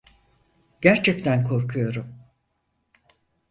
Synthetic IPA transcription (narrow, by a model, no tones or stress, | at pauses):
ɟ̥æɾt͡ʃʰɛct̪ʰænkʰo̞ɾkʰujo̞ɾum